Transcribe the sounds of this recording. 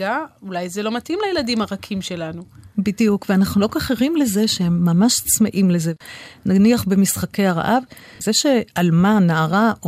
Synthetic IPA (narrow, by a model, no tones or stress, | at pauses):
aulajzelo̞matimlajeladimhaʁakʰimʃe̞lanubidijukveanaχnulo̞kaχeʁimle̞ze̞ʃehemːamaʃt͡smeʔimle̞zenaniaχbemisχake̞jaʁa̰ʔav | zeʃe̞almanaːʁao